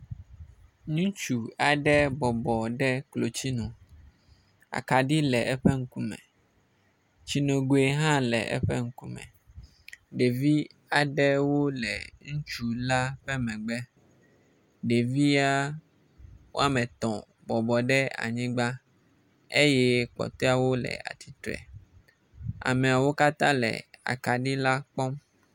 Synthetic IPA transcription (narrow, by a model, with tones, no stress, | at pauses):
ɲũ˦t͡ʃu˨a˨ɖɛ˦bɔ˨bɔ˨ɖɛ˦klo˨t͡ɕi˦nũ˨ | a̰˨ka˨ɖi˦lɛ˨ʔɛ˦ɸɛ˦ŋ̩˦ku˦mɛ̰̃˨ | t͡ɕi˦nõ˨ɡo˨e˦ɦã˦lɛ̰˨ʔɛ̰˦ɸɛ˦ŋ̩˦ku˦mɛ̰̃˨ | ɖe˨vi˦a˨ɖɛ˦wo˦lɛ˨ŋũ˦t͡ʃu˦la˦ɸɛ˦mɛ̃˨ɡ͡bɛ˦ | ɖe˨vi˦a˦ | wʔo̰˦a˨mɛ̃˨t̪ɔ̰̃˨ | bɔ˨bɔ˨ɖɛ˦a̰˨ɲĩ˦ɡ͡ba˦ | e˦jɛ˦k͡pɔ̰˨t̪ɔ˦a˨wo˦lɛ̰˨a̰˨t̪ʰi˨t̪ɾɛ̰˨ | a̰˨mẽ˨a˨wo˦ka˦t̪ã˦lɛ̰˨a̰˨ka˨ɖi˦la˦k͡pɔ˦m